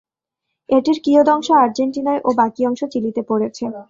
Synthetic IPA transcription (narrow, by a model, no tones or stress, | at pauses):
eʈiɾkiod̪ɔŋʃoaɾd͡ʑeɳʈinaeʔobakiɔŋʃot͡ɕilit̪epoɽet͡ɕʰe